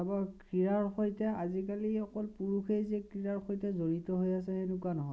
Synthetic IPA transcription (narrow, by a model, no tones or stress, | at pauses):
abakɹiɹaɹxojtɛazikaliɔkɔlpuɹuxʰejzɛkɹiɹaɹxojtɛzoɹitɔɦojas̬ɛenukuanɔɦɔj